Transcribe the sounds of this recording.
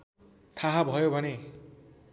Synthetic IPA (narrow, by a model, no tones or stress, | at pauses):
t̪ʰaɦabʱʌjobʱʌne